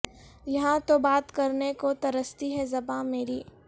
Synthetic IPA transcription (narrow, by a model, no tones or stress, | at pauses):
jɐɦãt̪obaːt̪kɐɾnekot̪ɐɾəst̪iɦɛzɐbãmeːɾiː